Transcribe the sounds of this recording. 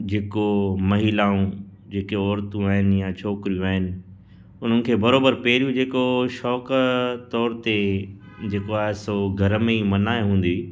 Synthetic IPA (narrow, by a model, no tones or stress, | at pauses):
d͡ʑeːkomɐɦilaːũ | d͡ʑeːkeɔːɾt̪ũaːɦɪnɪ̆jat͡ɕʰoːkɪɾijũaːɦɪnɪ̆ | ʊn̤ənɪ̆kʰeːbɐɾoːbəɾpɛːɾijũd͡ʑeːkoʃɔːkt̪ɔːɾt̪e | d͡ʑeːkoaːɦesoɡʱɐɾəmeimɐnaːeɦũːn̆d̪i